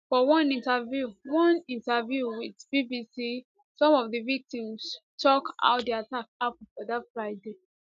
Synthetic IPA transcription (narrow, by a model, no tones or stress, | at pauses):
fɔwɔ̃nĩntavjuwɔ̃nĩntavjuwiðbibisi | sɔ̃mɔvðəvik̚tĩmstʰɔkʔa̰ʊt̚diatakapnfɔðatfɹaɪde